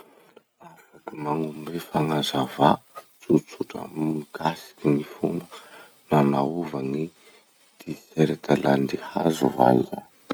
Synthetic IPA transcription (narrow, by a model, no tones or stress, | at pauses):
afakimaŋumbefaŋazava | t͡sut͡suʈ͡ʂə̰mikasi̥kinifumə | nanauvani | d̪̥iseɾet̪ʰaland̪ihazuva̰lza̰